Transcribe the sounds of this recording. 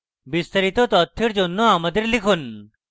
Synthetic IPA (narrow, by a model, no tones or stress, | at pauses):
bist̪aɾit̪ot̪ɔt̪ʰːeɾd͡ʑonːoamad̪eɾlikʰun